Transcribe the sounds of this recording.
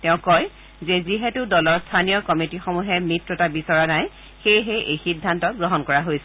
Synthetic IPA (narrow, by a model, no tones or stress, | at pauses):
tɛʊ̃kɔj | zɛziɦɛtʊdɔlɔɹstʰanijɔkɔmitixɔmuɦɛmitɹɔtabisɔɹanaj | xejɦeʔejxidʱːantɔɡɹɔɦɔnkɔɹaɦojsɛ